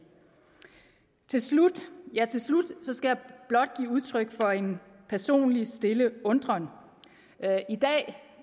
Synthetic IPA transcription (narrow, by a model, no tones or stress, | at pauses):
t͡sʰe̝slud̥jæt͡sʰe̝lslud̥sɒ̽sɡ̥æjɑ̈b̥lɒ̽d̥̚ɡ̥ḭːuð̞ˠt͡sʰʁœɡ̥fɒ̽e̝n | pʰæɐso̝̰ːnlisd̥e̝ləɔ̽nd̥ʁɐn | id̥ɛ̰ː